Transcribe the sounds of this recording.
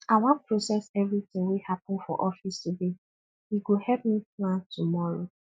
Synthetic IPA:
awɔ̃npɹosɛsɛvɹitɪ̃ŋwehapɔ̃nfɔ̰ʔɔfistube | iɡohɛlp̚miplãntumɔɹo

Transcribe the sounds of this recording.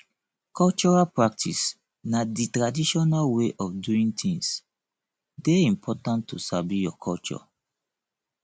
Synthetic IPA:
kʰɔlt͡ʃɔɹalpɹak̚tʰḭs | naditɹadiʃɔnalweʔɔfduĩŋtʰĩŋs | deĩmpʰɔtãntːusabijɔkʰɔlt͡ʃɔ̰

